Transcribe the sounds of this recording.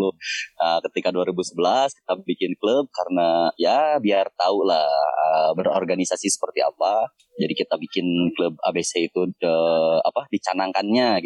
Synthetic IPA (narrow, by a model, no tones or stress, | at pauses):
lʊəkət̪ikaduaɾibusəbəlaski̥t̪abikɪnkləb̚kaɾənajabiart̪aulahəbəro̰rɡanisasisə̥pərt̪ia̰pa | d͡ʒadikit̪abikɪnkləb̚a̰beseit̪uəa̰padit͡ʃanaŋkanɲaɡi